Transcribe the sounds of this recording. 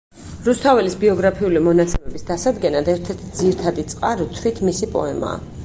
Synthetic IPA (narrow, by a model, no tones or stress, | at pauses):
ɾust̪ʰavɛlisbiɔɡɾapʰiulimɔnat̪sʰɛmɛbisd̪asad̪ɡɛnad̪ɛɾt̪ʰɛɾt̪ʰd̪ziɾt̪ʰad̪it̪sʼqʼaɾɔt̪ʰwit̪ʰmisipʼɔ̰ɛma̰ː